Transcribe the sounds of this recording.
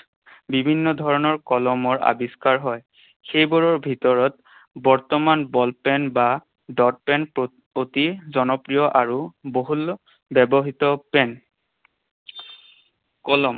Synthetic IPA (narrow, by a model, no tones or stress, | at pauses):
bibʱinːɔdʱɔɹɔnɔɹkɔlɔmɔɹʔa̰biskaɹɦɔj | xejbɔɹɔɹbʱitɔɹɔt | bɔɹtɔmanbɔlpɛnba | dɔt̚pɛnp | otizɔnɔpɹijɔʔaɹuboɦul | bɛbɔɦitɔpɛn | kɔlɔm